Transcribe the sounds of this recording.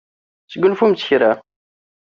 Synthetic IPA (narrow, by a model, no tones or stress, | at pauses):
θəɡːənfumt͡sːəçɾæ